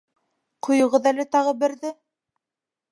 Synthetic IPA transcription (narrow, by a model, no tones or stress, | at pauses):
qʰŏjŏʁɤðælɘt̪ɑʁɤbɘ̆ɾðɘ